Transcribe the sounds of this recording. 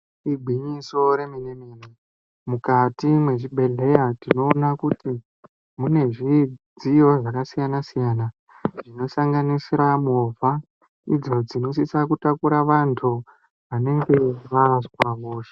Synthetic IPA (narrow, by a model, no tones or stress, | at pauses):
ibʱiɲiso̞ɾe̞mineneni | mukatimwe̞t͡ʃiɓʱe̞ɮe̞jatino̞ːnakuti | mune̞ʐid͡zijo̞ʐakasijanasijana | ʐ̥ino̞saŋɡanisiɾamovʱa | id͡zo̞d͡zino̞sisakutakuɾaʋantʰu | ʋane̞ŋɡe̞ʋazwaʋoːʃe̥